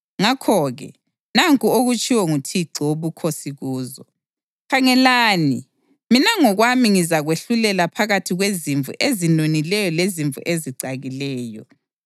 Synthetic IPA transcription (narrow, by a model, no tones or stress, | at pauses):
ŋakʰɔɣɛ̰ | naŋkʼuoɣut͡ʃʼiwɛŋutʰiǀiwoβukʰosiɣuːzɔ | kʰaŋɛlaːni | minaŋɔɣwamiŋizaɣweɬulɛlapʰaɣatʰiɣweziɱvṵʔezinonilɛjɔleziɱvṵʔeziǀaɣilɛːjɔ